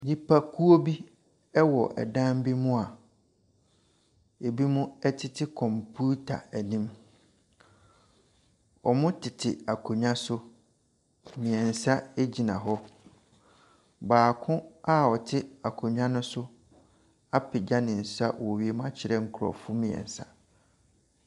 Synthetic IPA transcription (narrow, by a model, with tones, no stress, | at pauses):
d͡ʑi˦pʰa˦kʰu˦o˦bi˦ | ɛ˦wɔ˨ʔɛ̰˨dã˦m˦bi˦mũ˦a˨ | e˨bi˦mũ˦ɛ˦tʰɪ˦tʰɪ˦kʰɔ̃˨mpʰu˦tʰa̰˨æ˨nĩ˦m | ɔ˨mʊ̃˦tʰɪ˨tʰɪ˨a˨kʰo˨ɲᶣã˦sʊ˦ | mĩ˨ɛ̃˨n˨sa˦e˦d͡ʑi˨nã˨ɦɔ˦ | baː˨kʰʊ̃˦a˦ɔ˨tʰɪ˦a˨kʰo˨ɲᶣã˦nʊ̃˦sʊ˦ | a˦pʰɪ˨d͡ʑa˦nɪ̃˨n̩˨sa˦˨wɔ˨ɥi˦e˦m˦ã˦t͡ɕʰɪ˨ɾɛ˦ŋ̩˦kʰʊ˨ɾɔ̰˨fʊ˦mĩ˨ɛ̰̃˨n˨sa̰˦